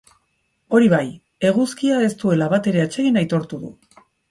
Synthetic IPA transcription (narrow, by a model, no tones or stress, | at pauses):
o̞ɾiβaj | e̞ɣ̞uskiae̞st̪ue̞laβat̪e̞ɾe̞at͡ʃe̞ɣinajt̪o̞ɾt̪uðṵ